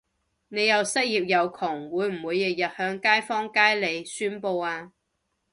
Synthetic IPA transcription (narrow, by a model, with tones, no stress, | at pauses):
ne˨˧jɐ˨wsɐ˥t̚jiː˨p̚jɐ˨˧wkʰʊ˨˩ŋwuː˨˧jm̩˨˩wuː˨˧jːɐ˨k̚jɐ˨t̚hœː˨˥ŋkaː˥jfɔː˥ŋkaː˥jle˨˧jsyː˥npo˧waː˧